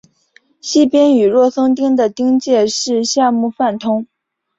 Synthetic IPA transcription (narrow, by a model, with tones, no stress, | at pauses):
ɕi˥˩pjɛ˥ny˨˩ɻwɔ˥˩sɤ˥ŋt̪i˥ŋd̪ə˨t̪i˥ŋt͡ɕjɛ˥˧ʂɻ̩˥˧ɕja˥˧mu˥˧fa˥˩nt̪ʰʊ˥ŋ